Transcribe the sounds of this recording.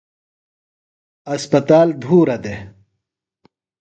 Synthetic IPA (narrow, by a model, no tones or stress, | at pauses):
ɐspɐt̪aːld̪ʱuːɾɐd̪e